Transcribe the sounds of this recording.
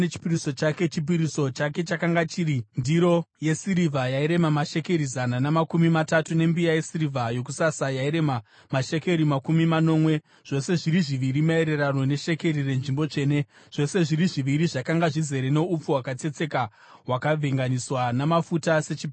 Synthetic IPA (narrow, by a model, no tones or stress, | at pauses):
net͡ʃi̥piɾiso̞t͡ʃake̞t͡ʃip̬iɾiso̞t͡ʃake̞t͡ʃakaŋɡat͡ʃiɾindiɾo̞je̞siɾivʱajaiɾe̞mamaʃe̞ke̞ɾizananamakumimatatune̞mbijaje̞sirivʱajo̞k̬usasajaiɾe̞ma | maʃe̞ke̞ɾimakumimano̞mwe̞ | ʐ̥o̞se̞ʐiɾiʐiʋiɾimae̞ɾe̞ɾano̞ne̞ʃe̞ke̞ɾire̞nʐimbo̞t͡ʂe̞ːne̞ | ʐ̥o̞se̞ʐiɾiʐiʋiɾiʐakaŋɡaʐize̞ɾene̞up͡fuwakat͡se̞t͡se̞ka | ɦwakavʱeŋɡaniswanamafutase̞t͡ʃip